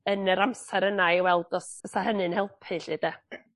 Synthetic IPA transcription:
ənəɾamsɛɾənajwɛlˠdɔsəsahənɨnhɛlˠpʰɨɬidɛ

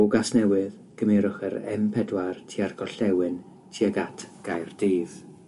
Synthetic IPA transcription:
ʊɡasnɛwɨð | ɡ̥əmɛɾʊχəɾɛ̰mpʰɛdwartʰiarɡɔɬɛwɨn | tʰiaɡatʰɡ̥ajrd̥iːð̥

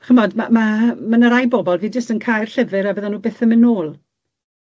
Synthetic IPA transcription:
χəmɔdmamamanəɾajbɔbɔlˠviːd͡ʒəstənkʰaːjrɬəvɨɾabəðanuːbeːθəmɪnoːlˠ

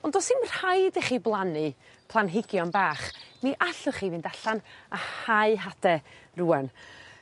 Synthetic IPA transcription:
ɔndɔsɪnr̥hajdɛχiːblˠanɨ | pʰlˠanɦɪɡjɔnbaːχmiʔaɬʊχiːvɨndaɬanahaɨɦadɛruːɛn

